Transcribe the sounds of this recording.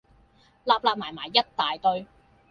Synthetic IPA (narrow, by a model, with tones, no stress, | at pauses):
laː˧p̚laː˧p̚maː˨˩jmaː˨˩jːɐ˥t̚t̪aː˨jt̪ɵ˧ɥ